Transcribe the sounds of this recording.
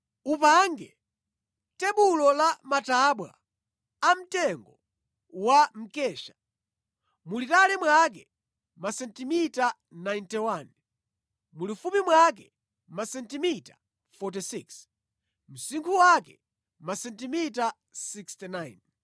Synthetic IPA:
upaŋɡɛ | tɛɓulɔlamataɓwa̰ | am̩tɛŋɡɔ | wam̩kɛːʃḁ | mulitalɛmwak̬ɛ | masɛntimita | najntɛwan | mulifumimwak̬ɛ | masɛntimita | fɔtisiks | m̩siŋkʰuwakɛ | masɛntimita | sikstɛnajn

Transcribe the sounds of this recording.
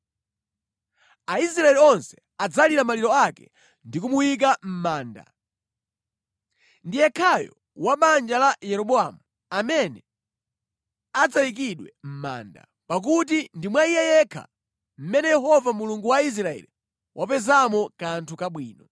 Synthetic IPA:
ais̬ɾaɛliɔnsɛ̥ | ad͡zaliɾamaliɾɔakɛ̰ | ndik̬umuwik̬am̩maːnda̰ | ndijɛkʰajɔ̰ | waɓand͡ʒalajɛɾɔɓɔamu | amɛnɛ | ad͡zajik̬iɗwɛm̩ma̰ːnda̰ | pak̬utindimwaijɛjɛkʰa̰ | m̩mɛnɛjɛɦɔvamuluŋɡuwais̬ɾaɛ̰li | wʔapɛzamɔkantʰukaɓwiːnɔ

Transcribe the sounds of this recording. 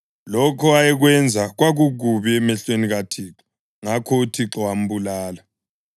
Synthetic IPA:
lɔkʰɔajɛɣwɛnd͡zʱaɣwaɣuɣuβiɛmɛɬweniɣatʰiːǁɔ | ŋakʰɔutʰiǁɔwam̩bulaːla

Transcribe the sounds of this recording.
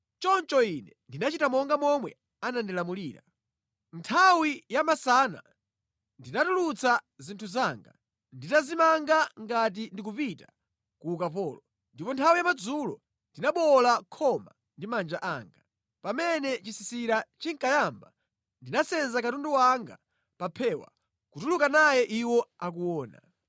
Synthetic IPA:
t͡ʃɔnt͡ʃɔinɛndinat͡ʃitamɔŋɡamɔmwɛ | anandilamuliːɾa̰ | ntʰawijamasaːna̰ | ndinatulut͡sʰa | zintʰuzaːŋɡa | nditazimaŋɡaŋɡat̬indik̬upita | kuːkapɔːlɔ | ndipɔntʰawijamad͡zulɔ | ndinaɓɔlakʰɔma̰ | ndimand͡ʒaʔaːŋɡa | pamɛnɛt͡ʃisisiɾat͡ʃiŋkajamba | ndinasɛnzakatunduwaŋɡa̰ | papʰɛwa̰ | kutulukanajɛʔiwɔak̬uwɔːna̰

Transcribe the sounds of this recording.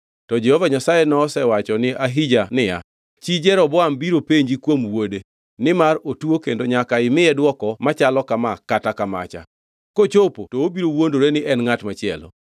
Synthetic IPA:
tɔd͡ʒɛhovaɲasajɛnɔːsɛwat͡ʃɔnɪaɦid͡ʒanɪja̰ | t͡ʃid͡ʒɛɾɔbɔambiɾopeɲd͡ʒikwomwode | nɪmaɾotuokendoɲakaɪmɪɛdwɔkɔmat͡ʃalɔkamakatakama̰t͡ʃa̰ | kot͡ʃopotoobiɾowondoɾenɪʔɛnŋatmat͡ʃɪɛlɔ̰

